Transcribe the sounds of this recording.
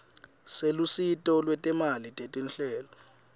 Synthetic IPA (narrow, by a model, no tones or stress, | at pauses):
selusitʼɔlwɛtʼɛmalitʼetʼinɬɛːlɔ